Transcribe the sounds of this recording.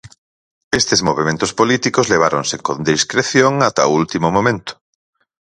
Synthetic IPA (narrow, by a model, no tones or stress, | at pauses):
est̪ezmoβ̞emẽnt̪ʊspolit̪ikozleβ̞aɾonsekond̪iskɾeθjoŋat̪ault̪imomõmẽnt̪ʊ̥